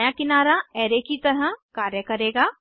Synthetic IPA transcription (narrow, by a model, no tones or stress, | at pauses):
jakɪnaːɾaɛːɾekit̪ɐɾə̃kaːɾjəkɐɾeːɡaː